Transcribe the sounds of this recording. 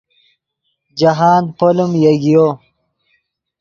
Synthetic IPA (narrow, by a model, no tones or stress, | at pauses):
d͡ʑɐɦaːnpolumjɐɡijo